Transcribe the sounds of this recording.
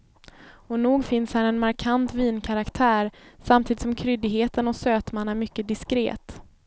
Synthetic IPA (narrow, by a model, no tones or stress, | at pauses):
ɔnuːɡfɪnshæɾɛnmaɾkʰant̪viːnkʰaɾakt̪ʰæːɾsamt̪ʰiːd̪ɪt̪sɔmkʰɾʏd̪ɪɡɦeːt̪ənɔsøːt̪manːæɾmʏkːəd̪ɪskɾḛːt̪